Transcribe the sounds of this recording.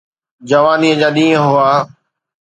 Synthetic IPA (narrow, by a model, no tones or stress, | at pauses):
d͡ʑəʋaːniːəd͡ʑaːɗĩːə̃ɦʊaː